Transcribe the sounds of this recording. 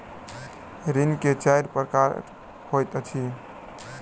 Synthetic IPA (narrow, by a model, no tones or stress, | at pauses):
ɾinket͡ʃajɾpɾkaɾɾ | hojt̪ət͡ʃʰi